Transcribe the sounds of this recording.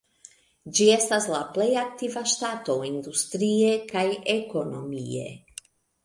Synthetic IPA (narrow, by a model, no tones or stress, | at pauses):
d͡ʒie̞staslaple̞jak̚tivaʃtato̞indust̪ɾie̞kajeko̞no̞mie̞̰